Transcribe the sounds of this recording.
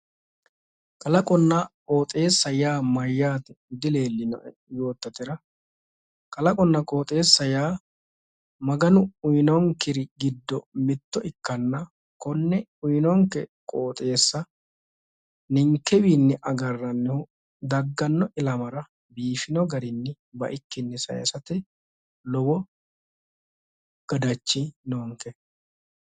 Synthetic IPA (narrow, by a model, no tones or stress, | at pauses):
kʼɐlɐkʼɔnːɐkʼoːt̪ʼe̞ːsːɐjaːmɐjːaːt̪ɛd̪ɪle̞ːlːɪnɔ̰ | jo̞ːt̪ːɐt̪ɪɾɐ | kʼɐlɐkʼɔnːɐkʼo̞ːt̪ʼe̞ːsːɐjaː | mɐɡɐnʊʊjnɔŋkɪɾɪɡɪd̪ːɔmɪt̪ːɔʔɪkːɐnːɐ | kɔnːɛʊjnɔŋkɛkʼoːt̪ʼe̞ːsːɐ | nɪŋkːɛwiːnːɪʔɐɡɐrːɐnːɛhʊ | d̪ɐɡːɐnːɔʔɪlɐmɐɾɐ | biːfɪnɔɡɐɾɪnːɪ | bɐ̰ʔɪkːɪnːɛsɐ̰jɐ̰sɐt̪ɛ | lɔbɔ | ɡ̥ɐd̪ɐt͡ʃːɪnoːŋkɛ